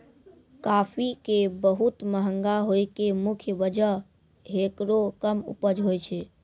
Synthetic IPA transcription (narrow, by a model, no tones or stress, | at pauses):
kapʰikebəɦut̪məɦəŋɡaɦojkemukʰjəbəd͡ʒəɦ | ɦekɾokəmṵpəd͡ʒɦojt͡ʃʰɛ